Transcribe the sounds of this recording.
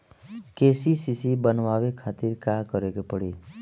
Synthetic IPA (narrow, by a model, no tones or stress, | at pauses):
keːsisisibənʋaːwekʰaːt̪iɾkakəɾeɡepəɽeː